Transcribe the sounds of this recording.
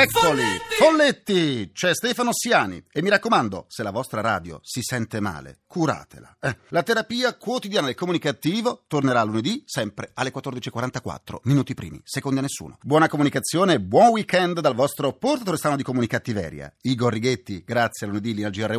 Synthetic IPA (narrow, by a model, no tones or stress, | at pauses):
ɛkʰːolifolːet̪ːit͡ʃɛst̪ɛːfanosjaːnḭemːiɾakːomand̪o̰selavɔst̪ɾaɾa̰ːd̪jo̰sisɛnt̪ema̰ːlḛkʰuɾa̰ːt̪ḛla̰ɛlat̪eɾapiːakwot̪id̪jaːnad̪elkːomunikat̪iːvot̪orneɾaːlːuned̪isɛmpɾealːekwat̪ːord̪it͡ʃiekwaɾant̪akwa̰t̪ːɾo̰minuːt̪ipɾḭːmḭsekond̪ianːesːṵːno̰bwɔːnakomunikat̪sːjoːnebwɔnwikɛnd̪d̪alvɔst̪ɾoport̪at̪oɾest̪anod̪ikomunikat̪ːivɛ̰ːɾja̰iɡorːiɡet̪ːiɡɾat̪sːjealuned̪ilːinald͡ʒiarːe